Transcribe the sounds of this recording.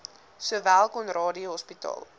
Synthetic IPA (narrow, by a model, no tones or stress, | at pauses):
suəvælˠkɔnrɑːdiəɦɔspitɑ̰ːlˠ